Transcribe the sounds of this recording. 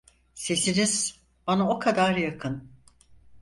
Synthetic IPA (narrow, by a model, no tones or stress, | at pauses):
se̞siniz̥ | b̥anao̞kʰad̪aɾjakʰɯn